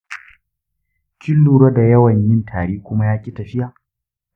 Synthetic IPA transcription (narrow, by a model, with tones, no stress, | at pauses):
t͡ʃɪ˦lːuː˨ɽɐ˦da˨jɐ˦wɐ˨ɲjɪ˦ntʰaː˨ɽiː˦kʷʊ˦ma˦jaː˦kʲʼɪ˦tɐ˨ɸɪ˦jaː˨